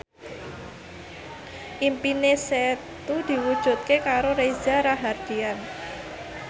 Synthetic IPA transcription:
ʔimpineset̪ud̪̥i̤wud̥ʒ̥ṳt̪̚kekaɾoɾezaɾaɦard̥ian

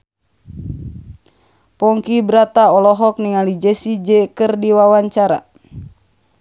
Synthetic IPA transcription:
pɔŋkibɾat̪aɔlɔɦɔk̚niŋalid͡ʒɛsid͡ʒɛkɨrdiwawaɲt͡ʃaɾa̰

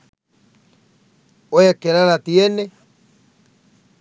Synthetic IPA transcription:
ojekeɾaɾat̪jene

